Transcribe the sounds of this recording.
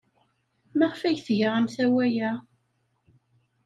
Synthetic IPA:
mæʁfæjθʝəʁæmθæwæjæ

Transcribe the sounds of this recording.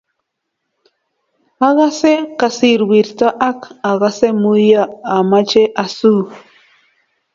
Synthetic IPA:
aɢɑsekasiɾwiɾt̪aʔakaɢɑsemujaːmat͡ʃeʔasu

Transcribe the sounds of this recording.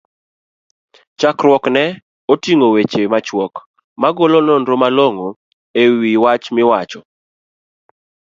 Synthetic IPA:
t͡ʃakrwɔknɛ | otiŋowet͡ʃemat͡ʃwɔk | maɡolonɔndɾomaloŋo | ewiwat͡ʃmɪwat͡ʃɔ

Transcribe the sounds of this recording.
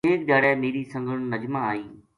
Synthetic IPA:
eːk̚ɗaːɽɛːmeːɾisɐ̃ŋɡʱəɽ̃nɐd͡ʒmãaːiː

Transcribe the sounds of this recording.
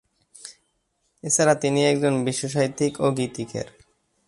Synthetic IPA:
et͡ɕʰaɾat̪iniɛk̚d͡ʑonbiʃːoʃ̬aɦit̪ikoɡit̪ikḛɾ

